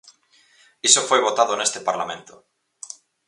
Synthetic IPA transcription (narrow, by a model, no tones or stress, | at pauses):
isofojβ̞ot̪aðonest̪epaɾlamẽnt̪o